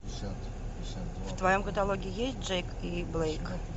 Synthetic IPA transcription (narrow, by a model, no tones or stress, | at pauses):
ft̪vajomkət̪alˠoɡʲɪɪjesʲt̚ʲd͡ʐɛjkiblˠejk